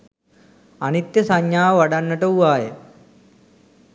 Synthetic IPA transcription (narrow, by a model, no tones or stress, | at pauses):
anit̪jəsaɲjaːʋaɖanːəʈəuʋaːjḛ